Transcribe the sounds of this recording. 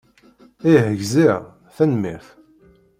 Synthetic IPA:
iɦəʝzi | θænmḭθ

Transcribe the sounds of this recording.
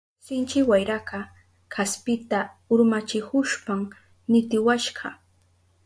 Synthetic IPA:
sɪnt͡ʃɪwajɾakɑ | kʰaspɪt̪a | ʊɾmat͡ʃɪkʊʃpam | nɪt̪ɪwaʃɢɑ

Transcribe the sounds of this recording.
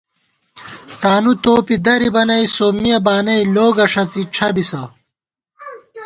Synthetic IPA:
t̪aːnut̪oːpid̪ɐɾibɐnɐjsoːmijɐbaːnɐiloːɡɐʂɐt͡siʈ͡ʂʰɐbisɐ

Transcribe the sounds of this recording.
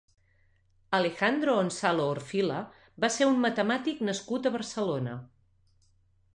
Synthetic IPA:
əlexand̪ɾoonsaloːrfilə | baseɾummːət̪əmat̪iknəskut̪əβəɾsəlonə̰

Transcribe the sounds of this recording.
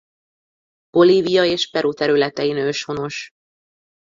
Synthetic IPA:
b̥o̞liːvijɒeːʃpɛɾut̪ɛɾylɛt̪ɛinøːʃhono̞ʃ

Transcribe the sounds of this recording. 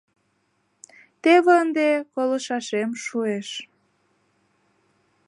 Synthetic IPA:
t̪eβənd̪ekoləʃɑʃemʃueʃ

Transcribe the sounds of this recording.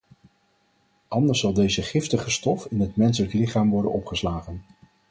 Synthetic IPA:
ʔɑndəɹsːɑlˠdejzəχɪftəχəstɔfɪnɦətmɛnsələklɪχaːmʋɔɹdə̰nɔpχəslaːχən

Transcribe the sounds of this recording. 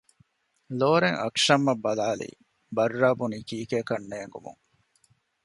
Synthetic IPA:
loːɾeŋɐ̰kʂɐmːɐbːɐlaːlḭː | bɐrːaːbuniːkiːkeːkɐnːeːŋɡṵmṵŋ

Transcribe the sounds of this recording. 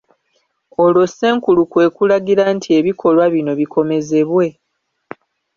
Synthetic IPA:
o̞lo̞se̞ːŋkulukwe̞ːkulaɡiɾantʰie̞βikʰo̞lwaβino̞βikʰo̞me̞ze̞βwe̞

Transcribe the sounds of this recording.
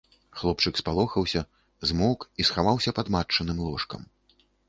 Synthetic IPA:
xlˠɔpt͡ʂɨkspalˠɔxɐwsʲɐ | zmɔkisxavawsʲɐpad̪mat͡ʂːɐnɨmlˠɔʂkɐ̰m

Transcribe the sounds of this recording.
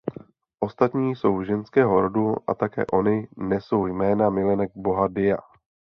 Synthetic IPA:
ʔo̞st̪at̪ɲiːso̞wʒɛnskɛːɦo̞ɾoduʔa̰t̪akɛ̰ːʔo̞nɪnɛso̞wjmɛːnamɪlɛnɛɡ̚bo̞ɦadɪja̰

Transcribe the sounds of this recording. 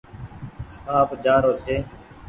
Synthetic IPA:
saːbd͡ʒaːɾoːt͡ʃʰeː

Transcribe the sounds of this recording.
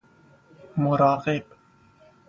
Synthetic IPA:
mʊɾɑːɣɪb

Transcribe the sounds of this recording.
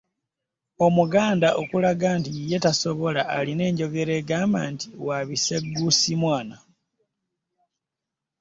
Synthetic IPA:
o̞muɡaːndaʔokulaɡaːntije̞taso̞βo̞laʔːline̞ːɲɟo̞ɡe̞ɾe̞ːɡaːmba̰ːntiwaβiseɡːusimwaːna

